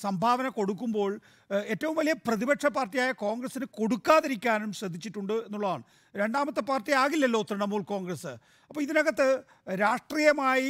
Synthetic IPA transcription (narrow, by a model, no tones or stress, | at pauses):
sɐmbʱaːʋɐnɐko̞ɽuk̬ːumbo̞ːɭ | e̞ːtːɐʋumʋɐlijɐprɐðibɐʈʂɐpaːrtːijaːjɐko̞ːŋɡrɐsinɨko̞ɽukːaːðiɾikʲːaːnumɕɾɐd̪ʱːit͡ɕːiʈːuɳɖɨe̞nːuɭːɐða̰ːɳɨ | ɾe̞ɳɖaːmɐt̪ːɨpaːrtijaːɣilːɐlːo̞ːt̪ːɾɐɳɐmuːɭko̞ːŋɡrɐsɨ | ɐpːoːiðinɐɣɐt̪ːɨ | ɾaːʂʈriːjɐmaːji